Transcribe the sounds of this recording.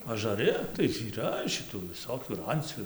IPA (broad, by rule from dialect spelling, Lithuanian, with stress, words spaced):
ɐʒɐˈrʲɪ tɐɪ iːˈrɐ ʃʲɪˈtuː ʋʲɪˈsoːkʲuː ɪr ˈɐnʲt͡sʲuː